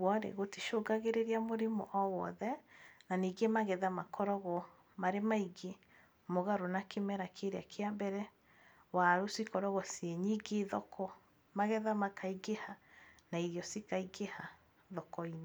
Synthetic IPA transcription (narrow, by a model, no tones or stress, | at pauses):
wɔɾḛɣotiʃoːɡaɣeɾeɾiamoɾemɔ̰ʔɔwɔðɛnaniɡemaɣɛðamakɔɾɔɣɔ | maɾemaiɡe | moɣaɾonakemɛɾakʰeɾeakʰeambɛɾɛ | waɾusikɔɾɔɣɔsieɲiɡeðɔkʰɔ | maɣɛðamakʰaiɡehanaiɾjɔsikaiɡeha | ðɔkɔine